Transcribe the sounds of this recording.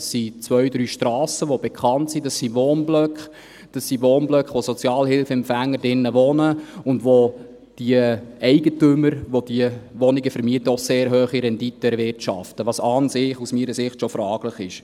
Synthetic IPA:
sːit͡sʋœɥdɾyːʃtɾɑːsəʋobɛkʰχɑntsidɑsiʋoːnblœkχ | d̥ɑsːiʋoːnblœkχʋosɔt͡sjɑːlhɪlfɛmpfæŋːədɪnːəʋɔnəʊndʋo | d̥iəɛɪɡətʏmːəɾʋod̥iəʋɔnɪɡəfəɾmiətəɔseːɾɦøːχiɾɛnditːəɛɾʋɪrtʃɑ̰ftəʋɑsɑːnsɪːχusmiːɾəsɪχtʃofɾɑːɡ̥ləχɪʃ

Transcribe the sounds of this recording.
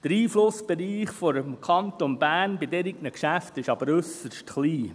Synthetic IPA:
d̥əɾiːflʊsb̥ɛɾiːχfɔɾmkʰɑnt̪onbæːnbɪdɛɾiɡnəkʃæftɪʃɑb̥əɾɵsəɾʃtχliː

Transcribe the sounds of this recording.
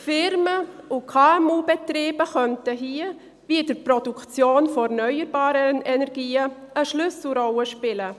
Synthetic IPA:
fɪɾməʊkʰaːɛmuːbɛtɾeːbəxœntəɦiːə | viɪdəɾpɾɔdukt͡sjoːnfɔɛɾnœʏəɾbɑːɾəɛnɛɾɡiːəəʃlʏsl̩ɾɔləʃpɪlə

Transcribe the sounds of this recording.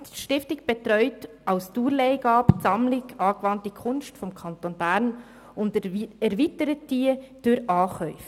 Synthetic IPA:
ʃtɪftɪɡb̥ɛtɾɔʏt | ʔaʊstuːɾleɪɡɑːpsɑmlɪɡɑːɡ̥əvɑntəkʰʊnstfɔmkʰɑntoːnbæɾn | ʊndɛɾvitəɾətd̥iːəd̥ʊɾɑːχœʏfə

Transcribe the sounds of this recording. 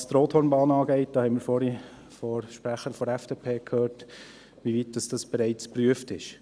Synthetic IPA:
st̪ɾoːthɔːrnbɑːnɑːɡɛɪt̚d̥ɑːhɛɪnmɪːɾfɔɾi | fɔɾʃpɾæχəɾfɔɾɛfd̥epʰeːkʰøːɾt | ʋiʋit̚d̥ɑsd̥ɑsb̥ɛɾɛɪt͡spryəftɪʃ

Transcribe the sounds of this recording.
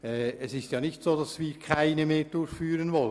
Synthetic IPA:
ɛɛsɪstjɑːnɪçtsoːdɑsviːkʰaɪnəmeːɹdʊɹçfyːɾənvɔlə

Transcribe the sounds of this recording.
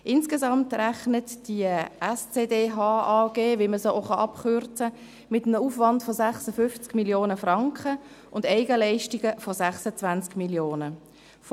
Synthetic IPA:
ʔɪnskezɑmtræχnətd̥iəɛst͡seːdeːɦɑːɑːɡ̥eːvɪlməsoʔoχɑʔɑpχʏɾt͡sə | mɪtəm̩əuːfvɑntfozæχsəfʏft͡skmiljoːnəfrɑŋkχə | ʊndɛɪɡəlɛɪʃtiɡəfosæχsət͡svant͡skmiljoːnə | f

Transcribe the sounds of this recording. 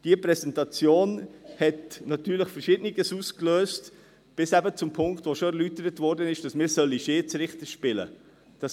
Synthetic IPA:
d̥iəpɾɛsɛntɑt͡sjoːnhɛtnɑtyːɾləχfəɾʃɪdniɡəsuːskløːst | b̥ɪsæbət͡sʊmpʰʊŋktʋoʃoɛɾlytəɾətvɔɾdənɪʃd̥ɑsmɪːɾsœlːiʃeːt͡sɾɪχtəʃpɪlə̰ | d̥ɑs

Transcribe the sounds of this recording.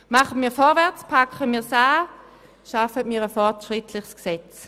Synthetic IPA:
maχənmiːɐfɔʁvɛɐt͡spʰakχəmiːɐsaː | ʃafətmiːʁəfɔʁtʃʁɪtʰlɪχsksɛt͡s

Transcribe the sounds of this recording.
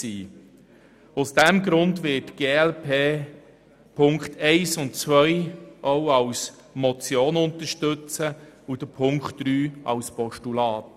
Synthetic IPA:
siː | ʊsd̥ɛmɡɾʊndʋɪtɡ̥eːɛlpʰeː | pʰʊŋkχtʰɛɪsʊntt͡sʋœjʔoʊɑws | mɔt͡sjoːnʊnt̪əʃtɵt͡səud̥əpʰʊŋkχtːɾyːɑ̰wspɔʃtulɑːt

